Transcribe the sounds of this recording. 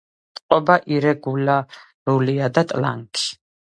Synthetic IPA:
t̪ʼqʼɔbaʔiɾɛɡula | ɾuliad̪at̪ʼla̰ŋkʰi̥

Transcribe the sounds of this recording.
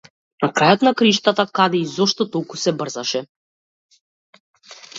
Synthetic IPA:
nakɾajɔt̪nakɾiʃt̪at̪akad̪ɛizɔʃt̪ɔt̪ɔlˠkusɛbr̩zaʃɛ

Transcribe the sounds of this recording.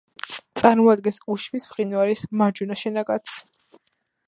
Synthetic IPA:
t̪sʼaɾmɔad̪̚ɡɛnsuʃmismʁinwaɾismaɾd͡ʒunaʃɛnaɡat̪s

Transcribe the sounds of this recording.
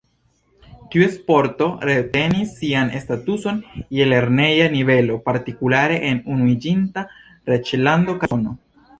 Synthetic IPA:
tiuespo̞ɾto̞ɾete̞nisːianestatuso̞njele̞ɾne̞janive̞lo̞paɾtikulaɾe̞ʔenunuid͡ʒinta | ɾet͡ʃlando̞kano

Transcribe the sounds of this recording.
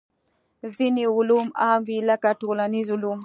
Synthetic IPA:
ziniulumamvilakatolanizulum

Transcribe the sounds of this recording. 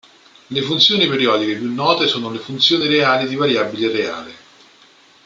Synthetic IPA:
lefunt̪sjoːnipeɾiɔːd̪ikepjunːɔːt̪esuːnolefunt̪sjoːniɾeaːlid̪ivaɾjabːilerea̰ːle

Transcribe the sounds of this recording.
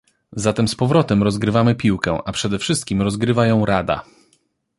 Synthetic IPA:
zat̪ɛmspɔvɾɔt̪ɛmɾɔzɡɾɘvamɘpʲiwkɛ̃ʔapʂɛd̪ɛfʂɘst̪̚kʲimɾɔzɡɾɘvajɔ̃w̃ɾad̪a̰

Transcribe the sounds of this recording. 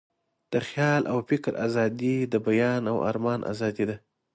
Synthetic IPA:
d̪̥əxjɑlʔa̰wfɪkɾa̰zɑd̪id̪əbajɑnawa̰ɾmɑnʔa̰zɑd̪id̪a

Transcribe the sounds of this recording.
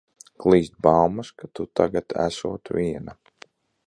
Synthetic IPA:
klˠiːst̪̚bawmaskat̪ut̪aɡat̪ʰæ̰sṵɔt̪ʋʲiɛna

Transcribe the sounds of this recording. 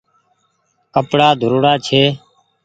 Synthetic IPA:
kəpɽaːd̪ʱʊɾɽaːt͡ʃʰeː

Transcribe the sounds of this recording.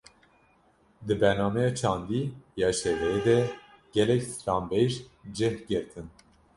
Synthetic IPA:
d̪ɨbɛɾnɑːmɛjɑːt͡ʃʰɑːnd̪iːjɑʃɛvɛed̪ɛ | ɡʲɛlɛksɾɑːmbɛjʒd͡ʒɛhɡɨɾt̪ʰɨn

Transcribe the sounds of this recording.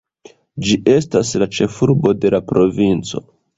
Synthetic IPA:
d͡ʒiʔe̞staslat͡ʃe̞fuɾbo̞de̞lapɾo̞vint͡so̞̰

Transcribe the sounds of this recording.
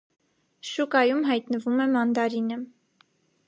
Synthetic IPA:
ʃukɑjumɦɑjt̪nəvumɛmɑnd̪ɑɾinə

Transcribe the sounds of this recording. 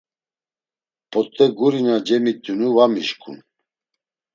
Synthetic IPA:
pʰʼɔt̪ʼːɛɡuɾinad͡ʒɛmit̪ʼːjunuvamiʃkʰʼṵn

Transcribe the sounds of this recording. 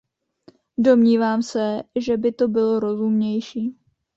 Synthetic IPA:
do̞mɲiːvaːmsɛʒɛbɪt̪o̞bɪlo̞ɾo̞zumɲɛjʃiː

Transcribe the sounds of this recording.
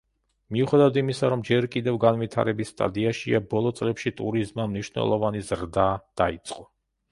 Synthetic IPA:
miuχɛd̪avad̪imisaɾɔmd͡ʒɛɾkʼid̪ɛvɡanvit̪ʰa̰ɾɛbisːt̪ʼa̰d̪iaʃiabɔlˠɔt̪sʼlɛpʃit̪ʼuɾizmamniʃwnɛ̰lˠɔvanizɾd̪ad̪̥ait̪sʼqʼɔ

